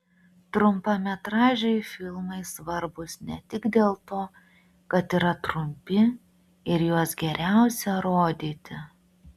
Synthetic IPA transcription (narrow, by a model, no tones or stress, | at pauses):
t̪ɾʊmpɐmʲɛt̪ɾɑːʒʲɛɪfʲɪlˠmɐɪsʋɐɾbʊsnʲɛ̰t̪ʲɪɡd̪ʲeːlˠt̪oː | kɐt̪iːɾɐt̪ɾʊmʲpʲɪ | ɪɾjuɔsɡʲɛɾʲæˑʊsʲɛɾoːd̪ʲiːt̪ʲɪ